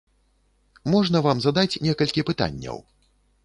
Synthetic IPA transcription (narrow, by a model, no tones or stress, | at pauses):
mɔʐnɐvamzad̪at͡sʲnʲɛkɐlʲkʲipɨt̪a̰nʲːɐ̰w